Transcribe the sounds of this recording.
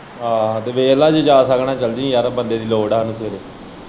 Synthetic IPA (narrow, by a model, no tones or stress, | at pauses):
ɦãːt̪eːʋeːlaːd͡ʒd͡ʒaːsəkʰnãːt͡ʃəld͡ʒĩːjaːɾbənd̪eːd̪iːloːɽaːɦənuseːɾeː